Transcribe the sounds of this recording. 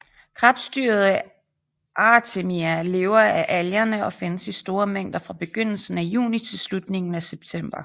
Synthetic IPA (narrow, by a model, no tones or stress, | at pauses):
kʰʁɑ̈fd̥sd̥yɐð̞̩ˠ | ʔɑt͡sʰe̝miæle̝ːʊɐæʔæljɐnəɒ̽fe̝nəsisd̥o̝ːɐmeŋ̰d̥ɐfʁɑ̈b̥e̝ɡ̥øn̰l̩sn̩æjṵːnit͡sʰe̝lslud̥ne̝ŋn̩æseb̥̚t͡sʰem̰b̥ɐ